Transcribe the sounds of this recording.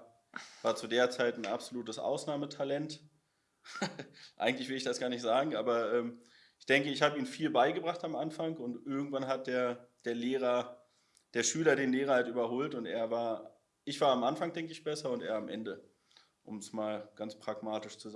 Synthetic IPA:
v̥aːɐt͡sudeːɐt͡saɪtn̩ʔa̰pz̥oluːtəsʔa̰ʊsnaːmətʰalɛnt | ʔaɪɡŋ̩tlɪçvɪləɪçd̥asɡ̥aːɐnɪçtz̥aːɡŋ̩ʔaːbɐʔɛːm | ʔɪçd̥ɛŋkəɪçhaːbəiːnfiːlbaɪɡəbʁaχtamʔanfaŋʊntʔɪɐɡŋ̩tv̥anɦat̚d̥eːɐd̥eːɐleːʁ̞ɐ | d̥eːɐʃyːlɐdeːnleːʁ̞ɐhaltʔyːbɐɦoːltʊntḛːɐvaːɐ | ʔɪçv̥aːɐamʔanfaŋd̥ɛŋkəɪçb̥ɛsɐʊntḛːɐamʔɛ̰ndə | ʔʊ̰msmaːlɡ̥ant͡spʁ̥aɡmaːtɪʃt͡suz

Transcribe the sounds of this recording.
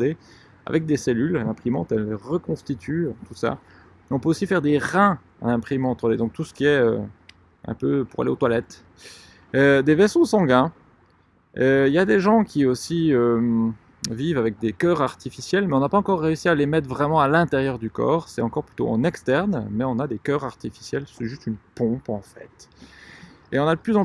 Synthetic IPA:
d̪e | a̰vɛk̚d̪eselyllɛ̃pχimɑ̰̃t̪ɛlʁəkɔ̃st̪it̪ʰyt̪usa̰ | ɛɔ̃pøosifɛʁd̪eʁɛ̃ | ã̰nɛ̃pχimɑ̃t̪ʁɔd̪ed̪ɔ̃k̚t̪usə̥kʲiɛø | ɛ̰̃pøpuʁa̰lḛot̪walɛt̪ | ød̪evɛsosɑ̃ɡɛ̃ | øiljad̪eʒɑ̃kʲʰiosiøm | vivavɛk̚d̪ekʲœʁaʁt̪ifisjɛlmɛɔ̃napaɑ̃kɔʁːeysialemɛt̪χvʁɛmɑ̃alɛ̃t̪ɛʁjœʁd̪ykɔ̰ːʁsɛt̪ɑ̃kɔʁply̥t̪oɑ̰̃nɛkst̪ɛʁnmɛɔ̃nad̪ekʲœʁaʁt̪ifi̥sjɛlsɛʒyst̪ynpɔ̃pɑ̃fɛ̰t̪ | eɔ̃nad̪əplyzɑ̃

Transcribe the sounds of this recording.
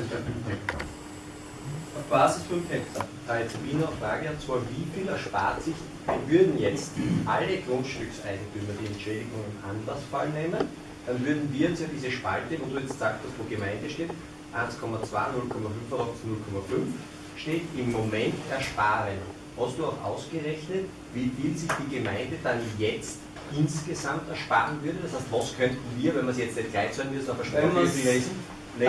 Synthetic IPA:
ɔfb̥aːzɪsfɔntʰɛpsɐtʰaɪt͡suʔiːnəɐfʁaːɡəat͡sv̥aːɐviːfiːlɛɐʃpa̰ːɐtsɪç | d̥anvʏɐdn̩jɛt͡stʔaləɡ̥ʁʊntʃtʏksʔaɪɡŋ̩tʰyːmɐd̥iɛntʃɛːdɪɡʊŋɪmʔanlɐsfalneːmən | d̥anvʏɐdn̩viːɐɛt͡sjadiːzəʃpa̰ltəvoːduːjɛt͡stz̥aːk̚thastvoːɐɡəmaɪ̃ndəʃteːt | ʔaɪnskʰɔmɐt͡sv̥a̰ɪnʊlkʰɔmɐfʏnfaʁɔpsnʊlkʰɔmɐfʏnf | ʃteːtɪmːomɛ̃ntɛɐʃpaːʁən | hɑstd̥uːaʊxʔa̰ʊsɡ̥əʁɛçnət | viːfiːlzɪçd̥iːɡəmaɪ̃ndəd̥anjɛt͡st | ʔɪnsɡ̥əzamtɛɐʃpa̰ːʁənvʏɐɾədɑshæɪstvɑskʰœntn̩viːɐvɛnmɐsjɛt͡stnɛtɡ̥laɪçt͡sanvɪsaːbɐʃpɔsis̩ | nɛ

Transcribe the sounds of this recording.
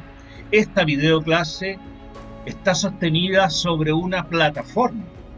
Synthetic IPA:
e̞st̪aβiðeoklase̞ː | ht̪aso̞st̪e̞niðaso̞βɾe̞unaplat̪afo̞ɾma

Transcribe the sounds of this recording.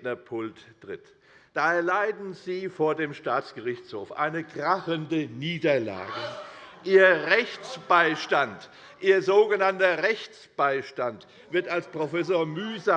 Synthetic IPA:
nɐpʰʊltːʁ̥ɪt | d̥aːɛɐlaɪdn̩ziːfoːɐdeːmʃtaːt͡sɡ̥əʁɪçt͡shoːfʔa̰ɪnəkʁ̥aχəndəniːdɐla̰ːɡəʔiːɐʁɛçt͡sb̥aɪʃtant | ʔiːɐzoːɡənantɐʁɛçt͡sb̥aɪʃtant | v̥ɪɐtalspʁ̥ofɛs̬oːɐmyːza

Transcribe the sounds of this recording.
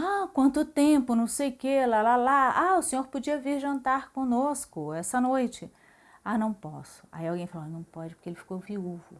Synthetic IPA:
akwɐ̃nt̪ʊt̪ẽpʊnɐ̃w̃sejʊkelalalaaʊsẽɲoɾpod͡ʒiɐviɾʒɐ̃nt̪aɾkõnoskʊɛsɐnojt͡ʃɪ | anɐ̃w̃pɔsʊ̥a̰iawɡẽj̃faloanɐ̃w̃pɔd͡ʒɪpʊ̥ɾkeelɪfi̥koviuvʊ

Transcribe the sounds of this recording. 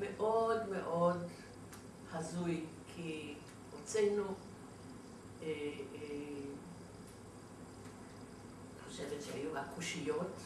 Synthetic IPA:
meʔo̞dmeʔo̞d | hazujkʰi | ʁot͡senu | e | niχoʃevetʃehajuakuʃijot

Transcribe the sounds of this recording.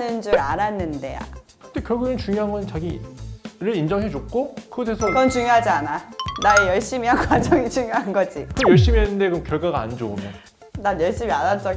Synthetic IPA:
nɯnd͡ʑuɾaɾanːɯnde̞̰a̰ | kɯt̪ekjʌɭɡɯɯnt͡ɕuŋjoɦanŋɡʌnɯnt͡ɕaɡi | ɾɯɭind͡ʑʌŋɦed͡ʑok͈okɯɡʌtʰesʰʌɡʌnt͡ɕuɲjoɦad͡ʑiananaejʌɭɕ͈imianɡwad͡ʑʌŋit͡ɕuɲjoɦanɡʌd͡ʑikɯjʌɭɕ͈imiɦenːɯnde̞kɯomkjʌɭɡaɡaa̰nd͡ʑoumjʌn | nanjʌɭɕ͈imiaɾans͈ʌ

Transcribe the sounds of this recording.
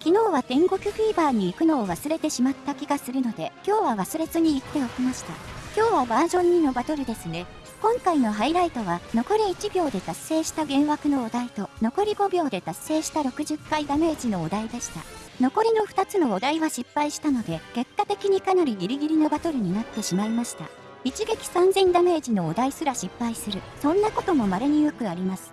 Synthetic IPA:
kʲino̞ːβat̪ẽ̞ŋɡo̞kʲɯ̟ɸiːbaːɲ̟iːkɯ̟no̞ːβasɨɾe̞t̪e̞ɕimat̪ːakʲiɡasɨɾɯno̞d̪e̞kʲo̞ːβaβ̞asɨɾe̞zɨɲ̟iːt̪ːe̞okʲimaɕi̥t̪a̰kʲo̞ːβabaːʑõ̞ɲ̟ːino̞bat̪o̞ɾɯ̟d̪e̞sɨne̞ | kõ̞ŋkaino̞ɦaiɾait̪o̞βano̞ko̞ɾʲiːt͡ɕibʲo̞ːd̪e̞t̪asːe̞ːɕi̥t̪aɡẽ̞ɰ̃βakɯ̟no̞ːd̪ait̪o̞no̞ko̞ɾʲiɡo̞bʲo̞ːd̪e̞t̪asːe̞ːɕi̥t̪aɾo̞kɯ̟ʑɨkːaid̪ame̞ːʑino̞ːd̪aid̪e̞ɕi̥t̪a̰ | no̞ko̞ɾʲino̞ɸɯ̥t̪at͡sɨno̞od̪aiβaɕipːaiɕi̥t̪ano̞d̪e̞ɡ̥e̞kːat̪e̞kʲiɲ̟ikanaɾʲiɡʲiɾʲiɡʲiɾʲino̞bat̪o̞ɾɯ̟ɲ̟inat̪ːe̞ɕimaimaɕi̥t̪a̰ | it͡ɕiɡe̞kʲi̥sãnzẽ̞nd̪ame̞ːʑino̞ːd̪aisɨɾaɕipːaisɨɾɯ̟sõ̞nːako̞t̪o̞mo̞maɾeɲ̟ijokɯ̟aɾʲimasɨ̥

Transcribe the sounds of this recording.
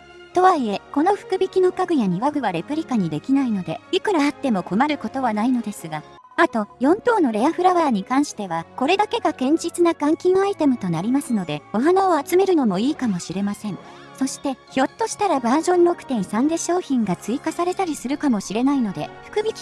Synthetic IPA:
t̪o̞βaie̞ko̞no̞ɸɯ̟̥kɯ̟bʲikʲino̞kaɡɯ̟jaɲ̟iβaɡɯ̟βaɾe̞pɯ̟ɾʲikaɲ̟id̪e̞kʲinaino̞d̪e̞ikɯ̟ɾaːt̪ːe̞mo̞ko̞maɾɯ̟ko̞t̪o̞βanaino̞d̪e̞sɨɡa | at̪o̞jõ̞nt̪o̞ːno̞ɾe̞aɸɯ̟ɾaβaːɲ̟ikãɰ̃ɕi̥t̪e̞βako̞ɾe̞d̪ake̞ɡakẽ̞ɲ̟d͡ʑit͡sɨnakãŋkʲĩɰait̪e̞mɯ̟t̪o̞naɾʲimasɨno̞d̪e̞o̞ɦanaoat͡sɨme̞ɾɯ̟no̞mo̞iːkamo̞ɕiɾe̞masẽ̞ɴ̃ | so̞ɕi̥t̪e̞ço̞t̪ːo̞ɕi̥t̪aɾabaːʑõ̞nɾo̞kɯ̟̥t̪ẽ̞ĩsãnd̪e̞ɕo̞ːçĩŋɡat͡sɨikasaɾe̞t̪aɾʲisɨɾɯ̟kamo̞ɕiɾe̞naino̞d̪e̞ɸɯ̟̥kɯ̟bʲikʲi̥

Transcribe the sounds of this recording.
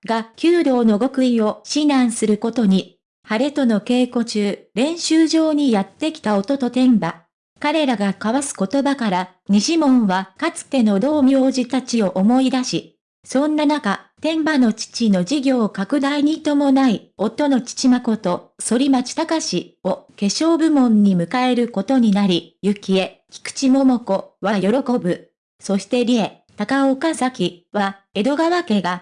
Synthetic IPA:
ɡakʲɨːd̪o̞ːno̞ɡo̞kɯ̟io̞ɕinãɰ̃sɨɾɯ̟ko̞t̪o̞ɲ̟i | haɾe̞t̪o̞no̞ke̞ːko̞t͡ɕɨːɾẽ̞ɰ̃ɕɨːʑo̞ːɲ̟ijat̪ːe̞kʲi̥t̪ao̞t̪o̞t̪o̞t̪ẽ̞mba | kaɾe̞ɾaɡakaβasɨ̥ko̞t̪o̞bakaɾa | ɲ̟iɕimõ̞ɰ̃βakat͡sɨ̥t̪e̞no̞d̪o̞ːmʲioːʑit̪at͡ɕio̞ʔomo̞id̪aɕi | sõ̞nːanakat̪ẽ̞mbano̞t͡ɕi̥t͡ɕino̞ʑiɡʲo̞ːkakɯ̟d̪aiɲ̟it̪o̞mo̞naio̞t̪ːo̞no̞t͡ɕi̥t͡ɕimako̞t̪o̞so̞ɾʲimat͡ɕi̥t̪akaɕio̞ke̞ɕo̞ːbɯ̟mõ̞ɲ̟ːimɯ̟kae̞ɾɯ̟ko̞t̪o̞ɲ̟inaɾʲijɯ̟kʲie̞ | kʲi̥kɯ̟̥t͡ɕimo̞mo̞ko̞βajo̞ɾo̞ko̞bɯ̟ | so̞ɕi̥t̪e̞ɾʲie̞t̪akaokasakʲiβa | e̞d̪o̞ɡaβake̞ɡa

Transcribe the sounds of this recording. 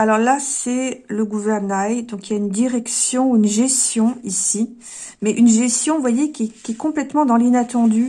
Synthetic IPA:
alɔʁlasɛləɡuvɛʁnajd̪ɔ̃kiljaynd̪iʁɛksjɔ̃uynʒɛst̪jɔ̃isi | mɛʔynʒɛst̪jɔ̃vwajekʲiɛkʲiɛkɔ̃plɛt̪mɑ̃d̪ɑ̃linat̪ɑ̃d̪y

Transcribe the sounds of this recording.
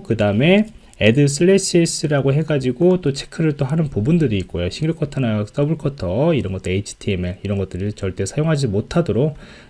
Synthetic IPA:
kɯdaɯme̞ | edɯs̬ʰɯɭːes͈ʰies͈ɯɾaɡoɦe̞ɡad͡ʑiɡot͈ot͡ɕʰe̥kʰɯɾɯɭt͈oɦanɯnpubundɯɾiːk͈ojoɕʰiŋɾɯkʰʌtʰʌnajks͈ʌbuɭkʰʌtʰʌiɾʌnɡʌt͈oeit͡ɕʰi̥tʰiemeɭiɾʌnɡʌt͈ɯɾit͡ɕʌɭt͈e̞sʰajoŋɦad͡ʑimotʰadoɾok̚

